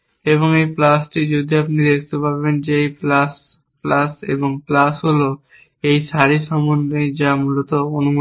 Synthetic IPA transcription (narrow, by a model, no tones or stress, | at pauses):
eβoŋejplasʈid͡ʑod̪ʱiapnid̪ekʰt̪epabend͡ʑeejplas | plasḛboŋplasɦolo | ejʃaɾiʃɔmonːejd͡ʑamulot̪oonum